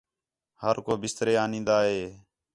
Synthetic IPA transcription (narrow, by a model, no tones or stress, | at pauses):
həɾkoːbɪst̪ɾeːaːnĩːnd̪aːɦeː